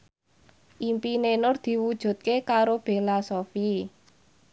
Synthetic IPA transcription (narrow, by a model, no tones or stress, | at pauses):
ʔimpinenʊrd̪̥i̤wud̥ʒ̥ṳt̪̚kekaɾob̥e̤lasofi